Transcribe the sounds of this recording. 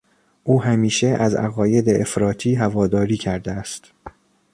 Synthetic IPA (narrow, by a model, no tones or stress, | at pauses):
ʔuːɦæmiːʃe̞ʔæzæ̰ɣɒːje̞d̪eʔefɾɒːt̪ʰiːɦævɒːd̪ɒːɾiːcʰæɾd̪eæst̪